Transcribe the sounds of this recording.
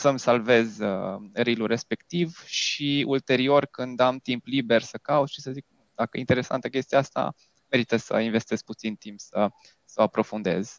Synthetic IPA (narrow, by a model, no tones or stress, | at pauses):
səmsalve̞zəɾilure̞spe̞kt̪ivʃiult̪e̞ɾio̞rkɨnd̪amt̪implibe̞rsəkawuʃisəzik | d̪akəjeint̪e̞ɾe̞sa̰nt̪əkʲe̞st̪iaast̪a̰ | me̞ɾit̪əsə̰inve̞st̪ez̥put̪sint̪impsə | səoapɾo̞fund̪e̞̰z̥